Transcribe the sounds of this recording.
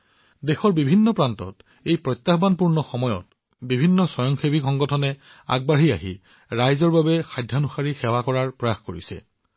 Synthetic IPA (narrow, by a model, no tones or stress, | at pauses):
dexɔɹbibʱinːɔpɹantɔ̰t | ejpɹɔjtːaxbanpuɹnɔxɔmɔjɔ̰t̚ | bibʱinːɔsɔjɔŋxebikɔŋɡɔtʰɔnɛ | a̰ɡ̚baɦia̰ɦḭ | ɹajzɔɹbabɛxajdʱjanuxaɹixɛwakɔɹaɹpɹɔjaxkoɹḭsɛ̰